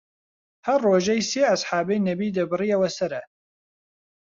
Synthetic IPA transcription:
hɐrːoːʒɛjseːɐsħaːbɛjnɛbiːd̪ɐbɨrijɛwɛsɐɾɛ

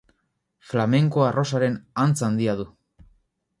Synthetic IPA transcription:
flame̞ŋkoaro̞saɾe̞nant͡sand̪iaðu

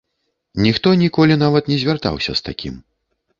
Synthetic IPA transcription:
nʲixt̪ɔnʲikɔlʲinavɐt̪nʲɛzʲvʲart̪a̰wsʲɐ̰st̪a̰kʲḭm

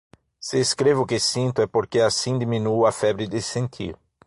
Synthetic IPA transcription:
sɪːskɾevɪʊkɪsĩnt̪ʊɛpoɾkeasĩd̪imĩnuɐfɛbɾɪd̪ɪsẽnt̪ʰḭɾ

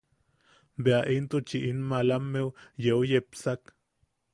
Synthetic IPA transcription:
beaʔint̪ut͡ʃiʔinmalamːewjewjepsak

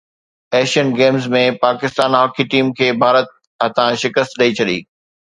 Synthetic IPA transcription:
ɛːʃənɡeːmzmẽpaːkɪst̪aːnɦɔːkʰiʈiːmkʰeːbʱaːɾət̪̚ | ɐt̪ãʃɪkəst̪ɗɐit͡ɕʰɐɗḭː

